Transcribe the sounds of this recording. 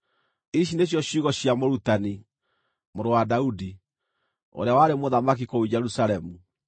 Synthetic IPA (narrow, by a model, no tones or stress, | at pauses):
iʃ̬ineɕ̬jɔɕuɣɔɕiamoɾutani | moɾowadaudi | o̰ɾeawaɾemoðamak̬ikoud͡ʑɛɾusaɾɛmu